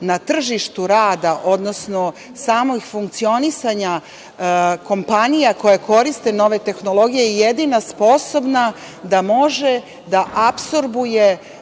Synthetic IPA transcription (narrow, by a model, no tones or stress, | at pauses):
nat̪r̩ʒiʃt̪uɾaːd̪aʔo̞d̪no̞sno̞ | saːmoɡfuŋk̚t̪sio̞nisaɲa | ko̞mpanijako̞jako̞ɾist̪e̞no̞ʋe̞t̪e̞xno̞lˠo̞ɡijejjed̪inaspo̞so̞bna | d̪amo̞ʒe̞ | d̪aʔapso̞ɾbuje̞